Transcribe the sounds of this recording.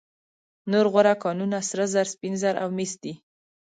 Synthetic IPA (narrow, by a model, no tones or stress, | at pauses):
noɾɣaɾakɑnunasɾəzaɾspinzaɾʔa̰wmisd̪i